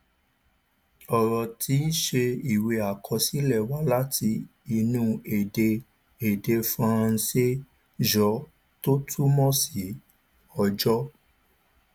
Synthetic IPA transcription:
ɔ˨ɾɔ˨tʰi˨˦ʃe˧i˨we˧a˨kʰɔ˧si˦lɛ˦˨wa˦la˦tʰi˧ | i˧nũ˧˦e˨de˧ | e˨de˧fã˦a˦˧se˦ | d͡ʒɔ˨˦ | to˦tʰu˦mɔ̃˦si˨˦ | ɔ˧d͡ʒɔ˦

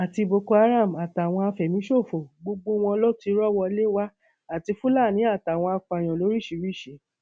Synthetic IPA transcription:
a˨ti˧bo˧ko˧a˧ɾa˦˨m̩˨a˨ta˨w̃ɔ̃˧a˧fɛ˨mĩ˨˦ʃo˦˨fo˨ɡ͡bo˧ɡ͡bo˧w̃ɔ̃˧lɔ˦ti˧˦ɾɔ˦wɔ˧le˦wa˦ | a˦˨ti˧fu˦la˦˨nĩ˨˦a˦˨ta˨w̃ɔ̃˧a˧k͡pa˨j̃ɔ̃˨lo˨˦ɾi˦˨ʃi˨˦ɾi˦˨ʃe˨˦

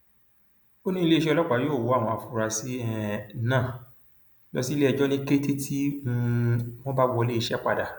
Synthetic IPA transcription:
o˦nĩ˦i˧le˦i˧ʃɛ˧ɔ˧lɔ˦k͡pa˨˦joː˦˨wo˨˦a˦˨w̃ɔ̃˧a˨fu˦˨ɾa˧si˦ɛ˦˨nãː˦˨ | lɔ̰˦si˦le˦ɛ˧˨d͡ʒɔ˦nĩ˦ke˦te˦tʰi˦mũ˦mw̃ɔ̃˦ba˦wʷɔ˧le˦i˧ʃɛ˦k͡pa̰˧da˨

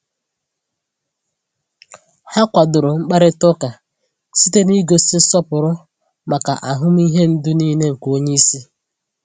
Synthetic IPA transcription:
ha˦kʷa˨dʊ˨ɾʊ˨ŋ͡m̩˦k͡pa˦ɾɪ˦tɔ˦ka˨ | si˦te˦ni˦ɡo˨sɪ˦sɔ˦pʊ˨ɾʊ˦ | ma˨ka̰˨ʔa˨ɦʊ˦m˦i˦ɦe˦n̩˦dʊ˦niː˦ne˦ŋ̩˨ko˦ɲe˦i˦si˦

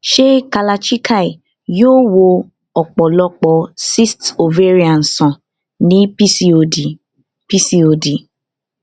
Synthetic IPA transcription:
ʃe˦ka˨la˨t͡ʃi˦kʰa˦˨i˨ | jo˦wo˧ | ɔ˨k͡pɔ˨lɔ˦k͡pɔ˨si˦sto˨ve˦ɾi˨a˨n̩˨sɔ̃˨ | nĩ˦psi˨ | pi˦si˦o˨di˨

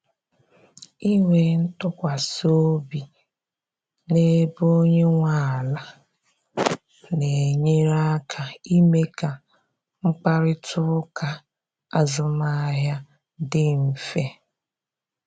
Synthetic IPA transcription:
i˦ŋʷe˨n̩˦tʊ˦kʷa˨so˦bi˨ | ne˦bo˦ɲe˦ŋʷa˨la˨ | ne˨ɲe˦ɾa˦kʰa˨i˦me˦ka˨ | ŋ͡m̩˦k͡pa˦ɾɪ˦tʰʊ˦ʊ˦ka˨ | a˨zʊ˨ma˦ɦja˦ | dɪ˦m̩˨fe˦

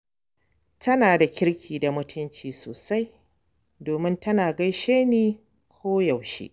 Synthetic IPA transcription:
tʰɐ˦naː˨da˨kʲɪ˦ɽkʲʰiː˨da˨mʊ˦tʰʊ˦nt͡ʃiː˨so̰ː˨sa˦j | doː˨mɪ˦ntɐ˦naː˨ɡɐ˦jʃeː˦niː˦ | kʷʰoː˦ja˨wʃḛ˦ʔ

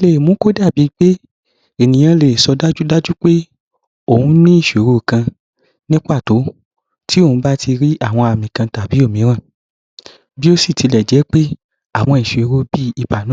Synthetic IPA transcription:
i˧le˨mũ˨˦ko˦da˦˨bi˨˦k͡pe˦ | e˨nĩ˨j̃ã˧le˨sɔ˧da˦d͡ʒu˦da˦d͡ʒu˦k͡pe˦ | o˦˨hũ˨˦nĩ˦i˦˨ʃe˨ɾo˧˨kã˧ | nĩ˦k͡pa˦˨to˨˦ | ti˦o˦˨ũ˦ba˦ti˧ɾi˦ʔa˦˨w̃ɔ̃˧a˨mĩ˨kã˧ta˨bi˨˦o˦˨mĩ˨˦ɾ̃ã˦˨ | bi˦o˦si˦˨ti˧lɛ˨d͡ʒɛ˨˦k͡pe˦ | a˦˨w̃ɔ̃˧i˨ʃe˨˦ɾo˧bi˦i˨ba˨nũ˨˦

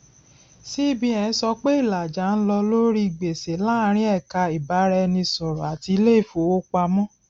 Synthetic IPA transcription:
si˦bĩ˧ɛ̃˨˧n̩˦sɔ˧k͡pe˦i˦˨la˨d͡ʒa˨˦n̩˦lɔ˧lo˦ɾi˦˨ɡ͡be˨se˨˦la˦˧˦ɾ̃ĩ˦ɛ˦˨ka˧i˨ba˨˦ɾɛ˧nĩ˧sɔ˨ɾɔ˨a˨ti˧le˦i˦˨fo˨˦o˦k͡pa˧mɔ̃˦

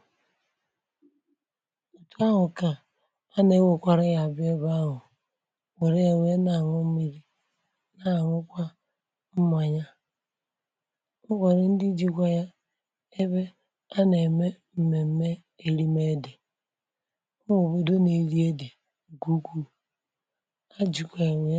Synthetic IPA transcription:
u˨tu˦a˦ɦʊ˨ka˨ | a˦ne˨˦wo˨kʷa˦˨ɾe˦ja˨bɪ˦e˦ba˦ɦʊ˨ | we˨ɾe˦e˨we˦na˨ŋʊ˦m̩˦mi˨ɾi˦ | na˨ŋʊ˦kʷa˦ | m̩˦m˦a˨ɲa˦ | ŋʊ˦ka˨ɾe˦n̩˦di˦d͡ʒi˦kʷa˦ja˦ | e˦βe˦ | a˦ne˨me˦ | m̩˦me˨m̩˦me˦ | e˨ɾi˦me˦dɪ˨˦ | ŋo˨bo˨do˦ne˨ɾi˦e˦de˨ | ɡu˦ɡu˦ | a˦d͡ʒi˨kʷa˨e˨we˦

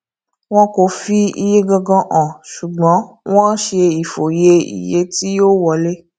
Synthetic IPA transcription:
w̃ɔ̃˦ko˨fi˧i˧je˦ɡɔ̃˧ɡɔ̃˧ʔã˨ʃu˨ɡ͡bɔ̃˨˦ | w̃ɔ̃˦ʃe˧i˨fo˨je˧ḭ˨je˨˦ti˦jo˦wɔ˧le˦

